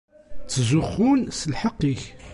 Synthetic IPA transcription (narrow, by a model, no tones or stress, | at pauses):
t͡sːzuχːunsəlħɑqːiç